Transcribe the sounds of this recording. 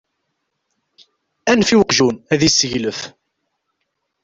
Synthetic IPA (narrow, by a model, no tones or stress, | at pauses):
ænfiwəqʒunæðisəʝləf